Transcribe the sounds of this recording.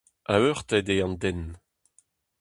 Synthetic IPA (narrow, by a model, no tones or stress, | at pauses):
aøʁt̪ɛdeɑ̃nd̪ɛn